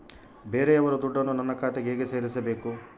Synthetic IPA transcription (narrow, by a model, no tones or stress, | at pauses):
be̞ːɾeɐʋɐɾud̪uɖːɐnːunɐnːɐkaːt̪eɡeːɡeseːɾisɐbe̞ːku